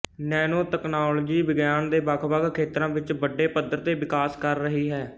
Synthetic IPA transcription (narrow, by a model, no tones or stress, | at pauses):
nɛːnoːt̪ɛknaːld͡ʒiːʋɪɡjaːnd̪eːbaːkʰʋaːɡkʰːeːt̪ɾãːʋɪt͡ʃbəɖeːpəd̪əɾt̪eːʋɪkaːskəɾːəɦiːɦɛː